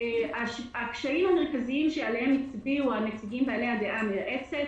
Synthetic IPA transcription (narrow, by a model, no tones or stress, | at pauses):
eaʃakʃaimhameʁkaziimʃealehemit͡sbiuamet͡siɡimbealehad̪eʔameʔet͡set